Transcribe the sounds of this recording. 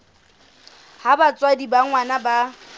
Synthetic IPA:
habat͡sʼwadibaŋwanaba

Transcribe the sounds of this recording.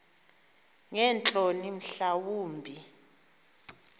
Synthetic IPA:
ŋɛnt͡ɬʼonim̩ɬawuːmbʱi

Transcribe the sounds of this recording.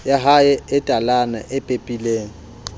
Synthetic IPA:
jaɦaɪɪtʼalana̰ʔɪpʼepʼileːŋ̩

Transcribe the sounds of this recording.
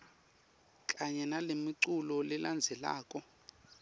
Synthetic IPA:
kʼaɲɛnalemiǀulɔliland͡zʱɛla̰ːkʼɔ

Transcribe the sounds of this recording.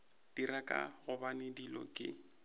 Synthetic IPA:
d̥irakʼa̰ɣʊbanɪdilɔ̰kʼɪ̰

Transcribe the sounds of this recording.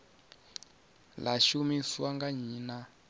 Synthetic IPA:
laʃumiswaŋɡaɲiːna

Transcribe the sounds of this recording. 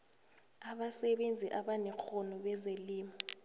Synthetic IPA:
aɓasɛɓend͡zʱiʔaɓanɛk͡xʰɔnɔɓɛzeliːmɔ

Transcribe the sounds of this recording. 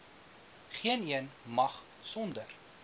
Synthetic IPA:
χiəniənmɐχ | sɔndər

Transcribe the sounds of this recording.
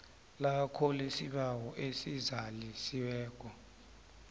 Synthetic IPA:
lakʰolisiɓawɔʔesizalisiwɛːk̬ʼɔ

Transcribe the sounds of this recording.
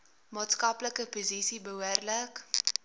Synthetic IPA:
mɑːtskɐpləkəpozisibəɦuərlək

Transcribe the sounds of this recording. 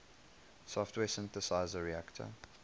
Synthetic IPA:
sɔftʰweːsɪ̃nθəsaɪzəɹiæktʰə̰

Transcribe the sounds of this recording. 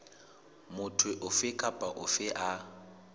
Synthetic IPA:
mʊtʰwɪʔʊfɪkʼapʼaʔʊfɪʔa

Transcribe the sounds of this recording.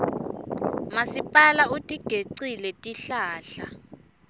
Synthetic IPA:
masipʼalautʼiɡ̥ʱeǀilɛtʼiɬaːɬa

